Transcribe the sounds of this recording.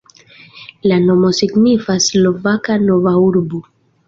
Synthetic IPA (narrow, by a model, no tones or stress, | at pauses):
lano̞mo̞siɡnifaslo̞vakano̞vauɾbo